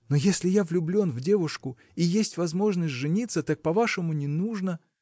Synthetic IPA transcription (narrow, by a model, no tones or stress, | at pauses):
nojesʲlʲɪjavlʲʊblʲo̞nvdʲe̞vʊʂkʊ | ijesʲtʲvɐzmo̞ʐnəsʲtʲʐɨnʲit̪sːət̪ak̚pɐvaʂɨmʊnʲɪnuʐnə